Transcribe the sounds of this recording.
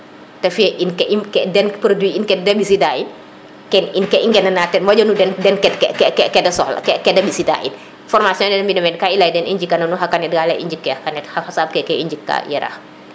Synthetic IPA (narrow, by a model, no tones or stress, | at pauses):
tɐfɛʔinkɛikɛdɛnpɾodwiinkɛt̚dɐbisidai | kɛninkɛiŋɡɛnɐnaːtɛnwɐɟɔnudɛndɛnkɛtkɛkɛkɛkɛdɐsɔl̰kɛkɛdɐbisida̰ʔḭ | fɔrmasjɔ̃ndɛnmbinɐmɛnkailɐjdɛnʔiɲd͡ʒikːɐnɐnuɦɐkːɐnɛt̚ɡaːlɛʔḭɲd͡ʒikːɛhakɐnɛthɐhɐsaːb̚kɛkɛiɲd͡ʒikːa̰jɛ̰ɾa̰x